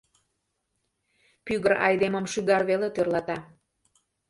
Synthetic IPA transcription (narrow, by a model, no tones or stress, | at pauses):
pyɣəɾɑ̰jd̪eməmʃyɣɑrβelet̪ørlɑt̪ɑ